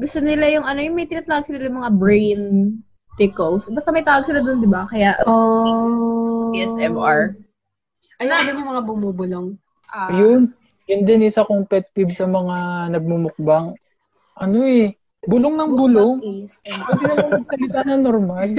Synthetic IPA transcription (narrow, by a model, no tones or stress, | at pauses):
ɡʊst̪onɪlajʊŋɐnojʊŋmɐjt̪ɪnɐt̪ːaːwɐɡ̚sɪlajʊŋmɐŋabɹejn | t̪ɪkowsbɐst̪ɐmɐjt̪aːwɐɡ̚sɪlad̪ond̪ɪbakɐjaʔo | ɛsɛmaɹ | ɐaːd̪onʊŋmɐŋabʊmuːbʊloŋ | ʔajʊn | jʊnd̪ɛnɪsɐkoŋpɛt̪̚pibsɐmɐŋanɐɡ̚mumʊk̚baŋ | ʔɐno̞ɛ | bʊloŋnɐŋbʊloŋɛswɛd̪ɪmɐmɐɐɡ̚sɐlɪt̪anɐŋnoɾmal